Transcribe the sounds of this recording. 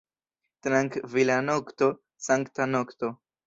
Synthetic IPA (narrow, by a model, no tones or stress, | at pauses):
t̪ɾaŋkvilanokt̪o̞ | saŋkt̪anokt̪o